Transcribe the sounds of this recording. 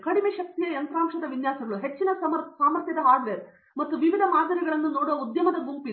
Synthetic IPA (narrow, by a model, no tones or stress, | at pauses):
kɐɽimeːʃɐk̚t̪ijɐjɐnt̪ɾaːmʂɐd̪ɐʋinjaːsɐɡɐɭuɦe̞t͡ʃːinɐɐmɐsaːmɐɾt̪jɐd̪ɐɦaːd̪ɾe | mɐt̪ːuʋiʋid̪ʱɐmaːd̪ʱɐɾiɡɐɭɐnːunoːɽɐud̪jɐmɐd̪ɐɡumpi